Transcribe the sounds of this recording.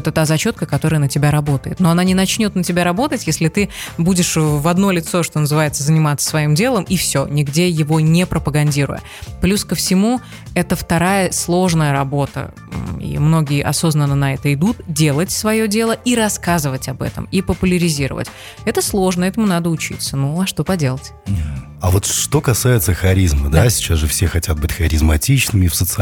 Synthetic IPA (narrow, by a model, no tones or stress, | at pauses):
t̪ət̪azɐt͡ɕo̞t̪̚kəkɐt̪o̞ɾəjənətʲɪbʲaɾɐbo̞t̪əjɪ̰t̪no̞ɐnanʲɪnɐt͡ɕnʲo̞t̪̚nətʲɪbʲaɾɐbo̞t̪ətʲjesʲlʲɪt̪ɨbudʲɪʂvɐd̪no̞lʲɪt̪so̞ʂt̪o̞nəzɨvajɪt̪səzənʲɪmat̪sə̥svɐimdʲe̞lˠəmifsʲo̞nʲɪɡdʲejɪvo̞nʲepɾəpəɡɐnʲdʲiɾʊ̰jə̰ | plʲuskəfsʲɪmu | ɛt̪əft̪ɐɾajəslˠo̞ʐnəjəɾɐbo̞t̪ə̰ | ḭmno̞ɡʲɪjəʔɐ̰so̞znənːənɐɛt̪əɪd̪ut̪̚dʲe̞lˠətʲsvɐjo̞dʲe̞lˠəʔiɾɐskazɨvətʲɐbɛ̰t̪ə̰mipəpʊlʲɪɾʲɪzʲiɾə̰və̰tʲ | ɛt̪əslˠo̞ʐnəɛt̪əmʊnad̪əʊt͡ɕḭt̪sənuɐʂt̪o̞pɐdʲe̞lˠət̪ʲ | ɐvo̞t̪ʂt̪o̞kɐsajɪt̪səxɐɾʲizməd̪asʲɪ̥t͡ɕasʐɨfsʲexɐtʲat̪̚bɨtʲxɐɾʲɪzmɐtʲit͡ɕnɨmʲɪfsət̪sɨ